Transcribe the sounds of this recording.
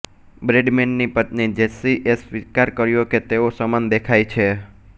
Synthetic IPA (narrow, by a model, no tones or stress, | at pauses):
bɾeɖmenːipət̪nid͡ʒesiʔesʋikaɾkəɾjoket̪eosəmand̪ekʰajt͡ʃʰe